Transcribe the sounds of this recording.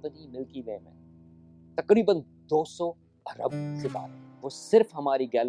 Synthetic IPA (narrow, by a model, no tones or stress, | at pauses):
pənĩmɪlkiʋeːmḛ̃ | t̪ɐkɾiːbən | d̪oːsɔ | ɐɾə̰bsɪba̰ːt̪ʋoːsɪɾfɦɐmaːɾiɡɛːl